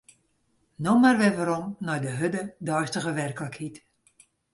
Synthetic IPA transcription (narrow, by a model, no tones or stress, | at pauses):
nomarʋɛʋaɾɔmnɔjdəɦødədɔjstəɣəʋɛrkləkʰhit